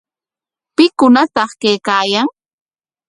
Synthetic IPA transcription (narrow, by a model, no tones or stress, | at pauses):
pɪkʊnat̪ɑχkejkaːjaŋ